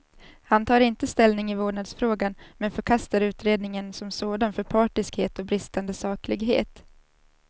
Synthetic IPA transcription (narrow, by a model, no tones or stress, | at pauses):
hant̪ʰɑːɾɪnt̪əst̪ɛlnɪŋɪvoːɖɳad̪sfɾoːɡanmɛnfœɾkʰast̪aɾʉ̟ːt̪ɾeːd̪nɪŋənsɔmsoːd̪anfœɾpʰɑːʈɪskheːt̪ɔbɾɪst̪and̪əsɑːklɪɡɦḛːt̪